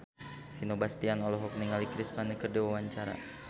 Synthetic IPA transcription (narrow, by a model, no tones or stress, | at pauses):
finobast̪ianɔlɔɦɔk̚niŋalikɾismanəkərdɛwawaɲt͡ʃaɾa̰